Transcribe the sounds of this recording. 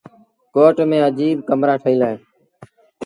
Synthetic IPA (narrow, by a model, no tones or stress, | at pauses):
koːʈmẽːəd͡ʒiːb̚kəmɾaːʈʰəiːlaːeː